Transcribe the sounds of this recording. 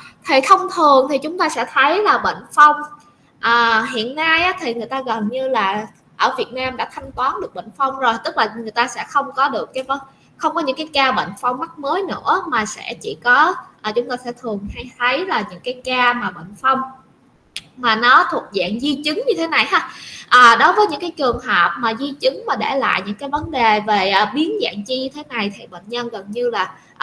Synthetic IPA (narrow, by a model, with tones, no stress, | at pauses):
t̪ʰi˨˩t̪ʰə˧wŋ͡mt̪ʰɨ˨˩əŋt̪ʰi˨˩t͡ɕʊ˨˦ŋ͡mt̪aː˧sɛ̰˧˥t̪ʰə˨˦jlaː˨˩ɓḛ˧˨ŋ̟fə˧wŋ͡m | ʔəː˨˩ɦḭ˧˨ənːaː˧jʔaː˨˦˥t̪ʰi˨˩ŋɨ˨˩əjt̪aː˧ɣə˨˩nɲɨ˧laː˨˩ | ʔəː˧˩vi˨˩ət̚naː˧mɗa̰ː˧˥t̪ʰa˧jŋ̟t̪waː˨˦nɗɨ˨˩ək̚ɓə̰˧˨ŋ̟fa˧wŋ͡mzo˨˩jt̪ɨ˦˥k̚laː˨˩ŋɨ˨˩əjt̪aː˧sɛ̰˧˥xə˧wŋ͡mkɔ˨˦ɗɨ˨˩əkːaː˨˦jvə˨˦ | xə˧wŋ͡mkɔ˨˦ɲɨ̰˧˥ŋkaː˨˦jkaː˧ɓə̰˧˨ŋ̟fa˧wŋ͡mːa˦˥k̚məː˨˦jnɨ̰˧˥əmaː˨˩sɛ̰˧˥t͡ɕḭ˧˩kɔ˨˦ʔːt͡ɕʊ˨˦ŋ͡mt̪oː˧jsɛ̰˧˥t̪ʰɨ˨˩əŋha˧jt̪ʰə˨˦jlaː˨˩ɲɨ̰˧˥ŋkaː˨˦jkaː˧maː˨˩ɓə̰˧˨ŋ̟fə˧wŋ͡m | maː˨˩nɔ˨˦t̪ʰu˨˩ət̚za̰ː˧˨ŋzi˧t͡ɕɨ˨˦ŋɲɨ˧t̪ʰe˨˦na˨˩jhaː˧ʔəː˨˩ɗo˨˦vəː˨˦jɲɨ̰˧˥ŋkaː˨˦jt͡ɕɨ˨˩əŋɦəː˨˩p̚maː˨˩zi˧t͡ɕɨ˨˦ŋmaː˨˩ɗḛ˧˩la̰ː˧˨jɲɨ̰˧˥ŋkaː˨˦jvə˨˦nɗe˨˩ve˨˩ʔːɓi˨˦ənza̰ː˧˨ŋt͡ɕi˧ɲɨ˧t̪ʰe˨˦na˨˩jt̪ʰi˧˩ɓə̰˧˨ŋ̟ɲə˧nɣə˨˩nɲɨ˧laː˨˩ | ʔ